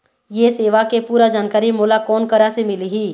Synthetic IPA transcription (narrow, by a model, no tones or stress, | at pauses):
jeseːʋakepuːɾad͡ʒaːnkaːɾimoːlakɔːnkəɾasemɪliɦiː